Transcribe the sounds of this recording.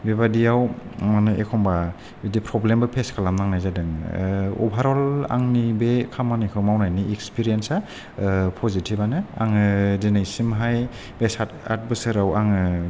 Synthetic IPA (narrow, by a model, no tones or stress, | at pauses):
bebadijawmanuʔekʰɔmba | bidipʰɾɔblembɯpʰeskʰalamnaŋnajzadɯŋɔ̰bʱaɾɔla̰ŋnibekʰamanikʰɯwmawnajniekspiɾijensa | pʰɔzitʰibanɯa̰ŋɯdinajsimɦaj | besata̰t̚bɯsɯɾawaŋɯ